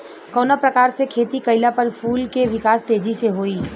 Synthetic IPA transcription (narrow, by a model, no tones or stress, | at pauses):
kɔːnapɾəkaːɾsekʰeːt̪ikɐɪlapɐɾpʰuːlkeʋɪkaːst̪eːd͡ʒiseɦoːiː